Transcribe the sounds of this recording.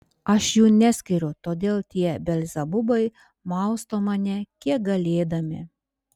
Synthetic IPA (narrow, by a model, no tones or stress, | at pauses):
ɐʃjuːnʲæsʲkʲɪɾʲʊt̪oːd̪ʲeːlˠt̪ʲiɛbʲɛlʲzʲɐbʊbɐɪ | mɐˑʊst̪oːmɑnʲɛkʲiɛk̚ɡɐlʲeːd̪ɐmʲɪ̰